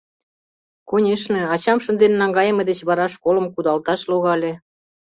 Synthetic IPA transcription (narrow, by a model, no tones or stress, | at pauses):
konʲeʃnĕɑt͡ɕɑmʃə̆nd̪ennɑŋɡɑjəmɤ̆d̪et͡ɕβɑɾɑʃkoləmkud̪ɑlt̪ɑʃloɣɑlʲĕ